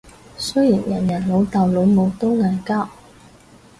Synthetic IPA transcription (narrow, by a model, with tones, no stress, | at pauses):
sɵ˥jiː˨˩njɐ˨˩njɐ˨˩nlo˨˧˥wt̪ɐ˨˩wlo˨˧wmo˨˧wt̪o˥wŋa˨˩kaː˥w